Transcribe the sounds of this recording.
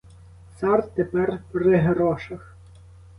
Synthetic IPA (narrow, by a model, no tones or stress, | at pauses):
sɑrt̪t̪ːepɛrpɾɪɦeɾɔʃɐx